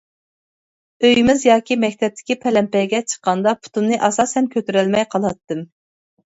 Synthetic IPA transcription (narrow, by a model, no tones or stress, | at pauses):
øjmɪzjɑːkʲimɛk̚ʲt̪ʰɛp̚t̪ʰɪ̥kʲipʰɛlɛmpɛɡʲɛt͡ʃʰə̥qːɑnd̪ɑpʰu̥t̪ʰunːɨʔɑsɑsɛmkʲʰøt̪yɾɛlmɛjqʰɑlˠɑt̪ːɨm